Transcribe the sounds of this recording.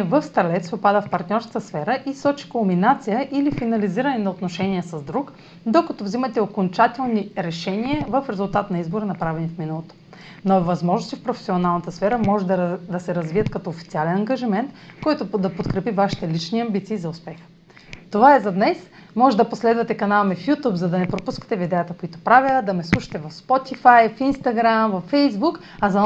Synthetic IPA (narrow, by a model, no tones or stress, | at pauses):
vəfst̪ɐlɛt̪sɛopad̪əfpɐɾt̪nʲɔɾsk̪əsfɛɾəʔisɔt͡ʃi̥kolˠminat̪sijəʔilifinɐliziɾənɛnɐot̪noʃɛniəsɐzd̪ɾuk | d̪okɐt̪ovzimɐt̪ɛokont͡ʃat̪ɛlˠniɾɛʃɛniəvəfɾɛzʊlˠt̪at̪nɐizboɾənɐpɾavɛnifminəlˠot̪o̥ | novɐzmɔʒnʊst̪ifpɾofɛ̥sionalˠnət̪əsfɛɾəmɔʒɛd̪d̪ɐsɛɾɐzviət̪kɐt̪ɔofit̪sialɛnɐŋɡɐʒimɛnt̪kɔjt̪ʊd̪ɐpot̪kɾɛpivaʃi̥t̪ɛlit͡ʃniɐmbit̪siːzɐʊspɛx | t̪ovaɛzɐd̪nɛs | mɔʒɛd̪ɐposlɛd̪vɐt̪ɛkɐnalˠmɛfjut̪upzɐd̪ɐnɛpɾopuskə̥t̪ɛvid̪ɛjət̪əkoit̪o̥pɾavʲjəd̪ɐmɛslˠuʃɐ̥t̪ɛvɐfspɔt̪ifajfinst̪ɐɡɾamvɐfːɛjzbuk | ɐzɐ